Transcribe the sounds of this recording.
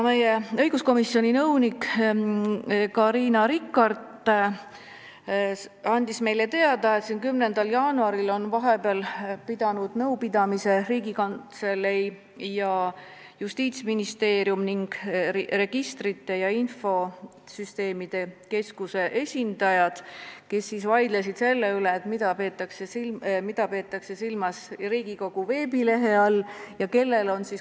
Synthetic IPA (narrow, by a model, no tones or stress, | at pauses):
me̞jeɤ̞jɡ̥usko̞misio̞nʲinɤwnik | kɑɾiːnɑɾikːˑɑrt̪ː | ɑnʲd̪̥isme̞jle̞t̪e̞ɑd̪̥ɑe̞t̪sinkymnend̪ɑljɑːnuɑɾilo̞nvɑɦe̞peɑlpid̪̥ɑnud̪̥nɤwpid̪̥ɑmise̞riːɡikɑnt̪se̞le | jɑ | just̪iːt̪sminist̪e̞ːɾjumniŋɡ̥re̞ɡ̥ist̪rit̪ːe̞jɑinfo̞ | syst̪e̞ːmid̪̥e̞ke̞skuse̞ʔe̞sʲind̪̥ɑjɑd̪̥ke̞sːisvɑjd̪̥lesid̪̥se̞lːeyleːt̪mid̪̥ɑpe̞ːt̪ːˑɑksesimid̪̥ɑpe̞ːt̪ˑːɑkse̞silmɑsriːɡ̥iko̞ɡ̥uve̞ːbile̞ɦe̞ɑlːjɑke̞lːe̞lo̞nsis